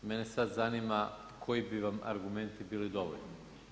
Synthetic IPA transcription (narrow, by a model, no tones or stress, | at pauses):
menesad̪zanima | kʰojibiʋama̰ɾɡume̞nt̪ibiːlid̪o̞ʋo̰ʎni